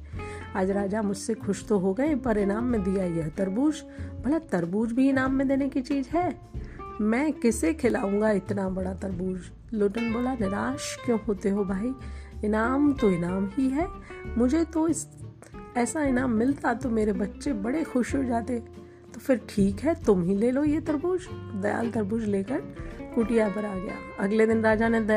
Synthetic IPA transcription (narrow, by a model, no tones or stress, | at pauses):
aːd͡ʒɾaːd͡ʒamʊd͡ʒʱsexʊʃt̪oɦoɡɐẽpɐɾɪnaːmːẽd̪ijajɐɦt̪ɐɾbuːd͡ʒ | bɐlat̪ɐɾbuːd͡ʒbʱiɪnaːmːẽd̪eːnekit͡ʃiːzɦɛː | mɛ̃ːkɪsekʰɪlaːũːŋɡaɪt̪nabɐɽat̪ɐɾbuːd͡ʒ | loːʈənboːlanɪɾaːʃkjõːɦoːt̪eɦobʱaːiɪnaːmt̪oɪnaːmɦiɦɛːmʊd͡ʒʱet̪oɪs | ɛːsaɪnaːmːɪlt̪at̪omeːɾebɐtːʃebɐɽexʊʃɦod͡ʒaːt̪eɛ | t̪ofɪɾʈʰiːkɦɛt̪ʊmɦileːlojet̪ɐɾbuːd͡ʒd̪ɐja̰ːlt̪ɐɾbuːd͡ʒleːkəɾkʊʈijabɐɾaɡɐja̰ːɐɡled̪ɪnɾaːd͡ʒanẽd̪